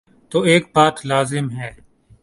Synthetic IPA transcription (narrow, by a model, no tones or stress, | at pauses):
t̪oːeːk̚baːt̪laːzɪmɦɛː